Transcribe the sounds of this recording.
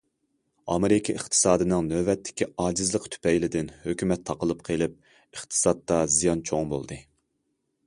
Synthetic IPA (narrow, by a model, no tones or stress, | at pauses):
ɑ̰meɾɪkʰʲɑɨχt̪ʰɨ̥sɑːd̪ɨnɨŋnøvɛt̪ʰːɪ̥kʲʰiɑːd͡ʒɪzlˠəqt̪ʰy̥pɛjlɪd̪ɪnhøkʲymɛt̪ʰːɑqəlˠɨpqʰelˠɪp̚ | ɨχt̪ʰɨ̥sɑt̪ːɑzijɑnt͡ʃʰoŋbo̰lˠd̪ɨ